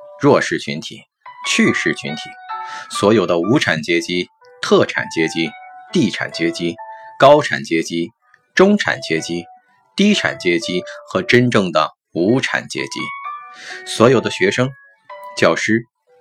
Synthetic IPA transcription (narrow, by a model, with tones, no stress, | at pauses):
ɻwɔ˥˧ʂɻ̩˥˩t͡ɕʰy̰˧˥nt̪ʰḭ˨˩˦ | t͡ɕʰy˥˧ʂɻ̩˥˩t͡ɕʰy̰˧˥nt̪ʰi˨˩˦swɔ˧˥jo˨˩ʊd̪ə˦u˧˥ʈ͡ʂʰa˨˩nt͡ɕjɛ˥t͡ɕi˥ | t̪ʰɤ˥˩ʈ͡ʂʰa̰˨˩nt͡ɕjɛ˥t͡ɕi˥t̪i˥˩ʈ͡ʂʰa̰˨˩nt͡ɕjɛ˥t͡ɕi˥kɑ˥ʊʈ͡ʂʰa̰˨˩nt͡ɕjɛ˥t͡ɕi˥ | ʈ͡ʂʊ˥ŋʈ͡ʂʰa̰˨˩nt͡ɕjɛ˥t͡ɕi˥ | t̪i˥ʈ͡ʂʰa̰˨˩nt͡ɕjɛ˥t͡ɕi˥xɤ˧˥ʈ͡ʂə˥nʈ͡ʂɤ˥˩ŋd̪ə˩ | u˧˥ʈ͡ʂʰa̰˨˩nt͡ɕjɛ̰˥t͡ɕḭ˥ | swɔ˧˥jo˨˩ʊd̪ə˦ɕɥɛ˧˥ʂɤ˥ŋ | t͡ɕjɑ˥˩ʊʂɻ̩˥˩